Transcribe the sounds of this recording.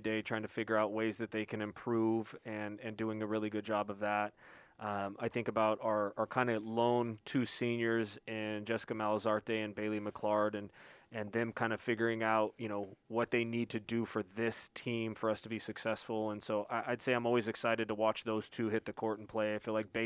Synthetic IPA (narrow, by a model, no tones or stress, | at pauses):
deɪtʰɹ̥aɪɪ̃ŋtʰɨfɪɡjə˞aʊt̚weɪzðɨt̪̚ðeɪkʰɨ̃nɨ̃mpʰɹ̥uvɨ̃nɨ̃ndʉɪ̃ŋɨɹɪlˠiɡʊd̚d͡ʒɑbʌvðæt̚ʔʌ̃maɪθɪ̃ŋkəbaʊɾə˞kʰãɪ̃ndɨlõʊ̃ntʰʉsĩnjə˞zɪ̃nd͡ʒɛsə̥kɨmælˠəzɑɹt̚deɪɨ̃nbeɪlˠimɨkʰl̥ɑɹɾɨ̃nɨ̃nðɨ̃mkʰãɪ̃ndɨfɪɡjə˞ɪ̃ŋaʊt̚jɨñoʊwʌt̪̚ðeɪnid̚tʰɨdɨfə˞ðɪstʰĩmfə˞ʌstʰəbisɨksɛsfl̩ˠə̃nsoʊʔaɪʔaɪd̥seɪãɪ̃mɔlˠwizɨksaɪɾɨd̚tʰəwɑt͡ʃðoʊz̥tʰʉɦɪt̪̚ðɨkʰɔɹɾn̩pʰl̥eɪɨfilaɪk̚b̥e